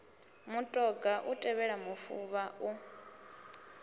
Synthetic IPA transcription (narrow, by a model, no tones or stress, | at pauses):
mutʼɔɡaʔutʼɛβɛɺamufuβau